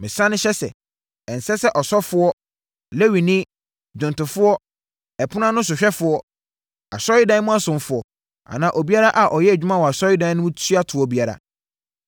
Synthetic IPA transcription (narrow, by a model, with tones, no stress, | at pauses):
mɪ̃˨sã˦nʊ̃˦ɕɛ˦sɛ̰˨ | ɛ̃˨n̩˨sɛ˦sɛ˦ʔɔ˨sɔ˦fʊ˦ɔ˦ | le˦wi˨nɪ̃˦ | d͡ʑʊ̃˨ntʊ̃˨fʊ˦ɔ˦ | ɛ˨pʰʊ˦nã˦nʊ̃˦s̬ʊ˨ɕᶣɛ˦fʊ˨˦ɔ˦ | a̰˨sɔ˦jɪ˦dã˦n˦mʊ̃˦a˦sʊ̃˨m˦fʊ˨ɔ˨ | a̰˨nãː˨ʔo˨bi˦a˦ɾa˦ʔa˨ʔɔ˨jɛ˦æ˨d͡ʑᶣu˦mã˦˨wɔ˨a˨sɔ˦jɪ˦dã˦nʊ̃˦mʊ̃˦tʰu˦a˦tʰʊ˨ɔ˦bi˦a˨ɾa̰˨